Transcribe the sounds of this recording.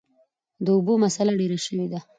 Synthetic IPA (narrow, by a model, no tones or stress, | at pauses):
d̪əubomasalaɽeɾaʃəwed̪a